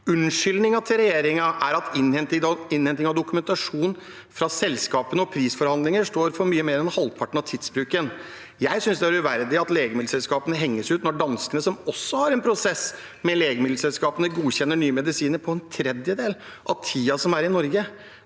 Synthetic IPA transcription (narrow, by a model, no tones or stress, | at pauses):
ʉnʂʏlnɪŋɑt̪ʰɪlɾɛjeːɾɪŋɑʔæɾɑt̪ɪnɛnt̪ɪɪnhɛnt̪ɪŋɑʋd̪ʊkʉmɛnt̪ɑʂuːn | fɾɑsɛlskɑːpənəɔpʰɾiːsfɔɾhɑnd̪lɪŋəʂʈ̪oːɾfɔɾmyːəmeːɾɛnhɑlpʰɑʈːɳ̩ɑʋt̪ʰɪd̪sbɾʉːkən | jæɪsʏnsd̪ɛæɾʉʋæɾd̪ɪɑt̪leːɡəmɪd̪̩sɛlskɑːpənəɦɛŋːəsʉːt̪nɔɖɑnskənəsɔmɔsːɔhɑɾɛnpʰɾʊsɛs | mɛleːɡəmɪd̪l̩sɛlskɑːpənəɡuːçɛnːəɳyːəmɛd̪ɪsiːnəɾpʰɔɛnt̪ʰɾɛd̪jəd̪eːl | ʔɑ̰ʋt̪ʰiːɑsɔmæɾɪnɔɾɡə